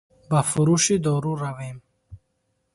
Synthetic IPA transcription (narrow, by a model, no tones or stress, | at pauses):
bafʊɾuʃid̪ɔːɾuɾavem